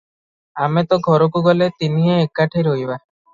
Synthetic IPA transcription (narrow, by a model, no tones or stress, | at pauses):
amet̪ɔɡʱɔɾɔkuɡɔlet̪iniɦeekːaʈʰiɾoɦjba